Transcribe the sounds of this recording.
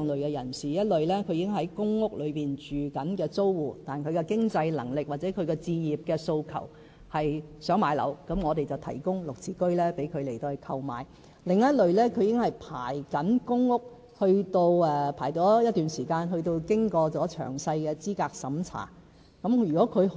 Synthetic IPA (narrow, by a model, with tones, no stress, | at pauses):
ŋlɵ˨ɥkɛ˧jɐ̰˨˩nsiː˨˩jɐ˥t̚lɵ˨ɥlɛː˥kʰɵ˨˧ɥji˨kɪ˥ŋɦɐ˨˥jkʊ˥ŋŋʊ˥k̚lɵ˨˧ɥpiː˨nt͡ʃyː˨kɐ˨˥nkɛː˧t͡so˥wwuː˨˩t̪aː˨˩nkʰɵ˨˧ɥkɛ˧kɪ˥ŋt͡sɐ˧jlɐ̰˨˩ŋlɪ˨k̚waː˨t̚t͡sɛː˨˥kʰɵ˨˧ɥkɛː˧t͡siː˧jiː˨˩p̚kɛː˧so˧wkʰɐ̰˨˩w | hɐ˨jsœː˨˥ŋmaː˨˧jlɐ̰˨˩wkɐ˨˧˥mŋɔː˨˧t̪e˨jt͡sɐ˨˩wt̪ʰɐ̰˨˩jkʊ˥ŋlʊ˨k̚t͡sʰiː˧kɵ˥ɥlɛː˥pe˨˥jkʰɵ˨˧ɥle˨˩jt̪oː˧˨kʰɐ˧wma̰ː˨˧j | lɪ˨ŋjɐ˥t̚lɵ˨ɥlɛː˥kʰɵ˧jiː˧kɪ˥ŋhɐ˨˩jpʰa̰ː˨˩jkɐ˨˥nkʊ˥ŋːʊ˥k̚ | hɵ˧ɥt̪o˧wɛː˨pʰaː˨˩jtɔː˨˥jɐ˥t̚t̪yː˨˩nsiː˨˩kaː˧nɦɵ˧ɥt̪o˧wkɪ˥ŋkɔː˧t͡sɔː˨˥t͡ʃʰœ̰ː˨˩ŋsɐ˧jkɛː˧t͡siː˥kaː˧k̚sɐ˨˥mt͡sʰa̰ː˨˩ | kɐ˨˥mjyː˨˩kɔː˨˥kʰɵ˨˧